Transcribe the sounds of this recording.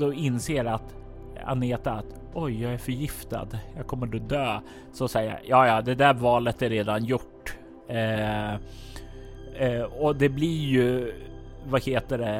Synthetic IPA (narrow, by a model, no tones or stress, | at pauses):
ɔɪnseːɾat̪ | a̰neːt̪at̪ | ɔjːɑːɡæɾfœɾjɪft̪a̰d̪jɑːɡkʰɔmːəɾd̪ɔd̪øː | sɔsɛjːja̰jɑːjɑːd̪ɛd̪æɾvɑːlət̪æɾeːd̪anjʊʈː | ɔd̪ɛblɪjɵ | vaheːt̪əɖɛ